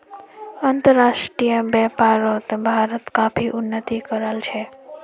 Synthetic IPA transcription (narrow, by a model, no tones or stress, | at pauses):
ənt̪əɾːasʈɾijəbɛpaɾot̪bʱaɾət̪kapʰiʔunːət̪ikəɾəlt͡ʃʰɛ